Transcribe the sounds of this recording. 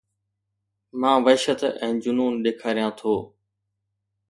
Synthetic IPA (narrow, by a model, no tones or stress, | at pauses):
mãːʋəʃət̪ɛ̃ːd͡ʑʊnuːnɗeːkʰaːɾijãːt̪ʰoː